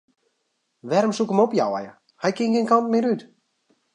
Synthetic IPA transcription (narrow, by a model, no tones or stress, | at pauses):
ʋɛɾmsukəmɔpjawa̰ja̰ | hajkɪŋkɪŋkant̪mɪɾyt̪